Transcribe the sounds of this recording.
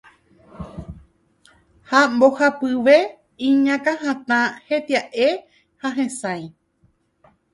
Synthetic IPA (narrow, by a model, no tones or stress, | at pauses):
hambo̞hapɨʋe̞ | ĩɲãkãhãt̪ãhe̞t̪iaʔe | haɦẽsãj